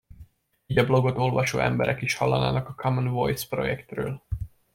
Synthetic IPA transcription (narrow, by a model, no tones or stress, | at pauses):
iːɟɒblo̞ɡo̞t̪o̞lvɒʃo̰ːʔɛ̰mbɛɾɛkiʃhɒlːɒ̰na̰ːnɒkɒkʰɒmɔnvo̞jspro̞̰jɛkt̪røːl